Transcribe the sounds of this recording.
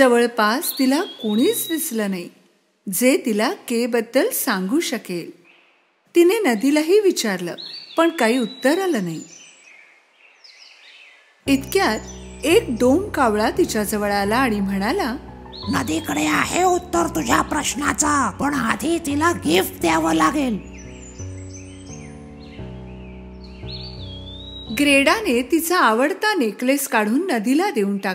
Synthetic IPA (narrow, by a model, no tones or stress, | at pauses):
d͡zəʋəɭpast̪ilakoɽ̃iːt͡sd̪isləːnai | d͡zet̪ilakebəd̪ːəlsãŋɡuːɕəkel | t̪inenəd̪ilaɦiːʋit͡ɕaɾlə̰ːpəɳkaɦiːut̪ːəɾaləːnai | it̪kjat̪ek̚d̪oŋkaʋɭat̪it͡ɕad͡zəʋəɭalaːɽ̃im̤əɽ̃alanəd̪ikəɽeaɦeut̪ːəɾt̪ud͡ʑʱjapɾəɕna̰t͡sapəɳɦad̪ʱit̪ilaɡifʈd̪jaʋəlaɡel | ɡɾeɽanet̪it͡saːʋəɽt̪anekleskaɽ̤uːnːəd̪ilad̪euːnʈa